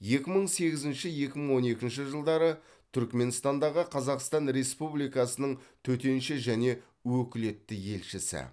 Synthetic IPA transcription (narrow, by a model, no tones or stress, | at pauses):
je̞kʲɪməɴse̞ɡʲɪzɪnʃɪje̞kʲɪməɴwo̞ne̞kʲɪnʃɪʒəlˠd̪ɑɾə | t̪ʰʏɾkme̞nst̪ɑnd̪ɑʁəqʰɑzɑqst̪ɑnɾe̞spublijkɑsənəɴt̪ʰɵt̪e̞nʃɪʒæne̞ | wɵkʲɪle̞t̪ːɪje̞lʃɪsɪ̰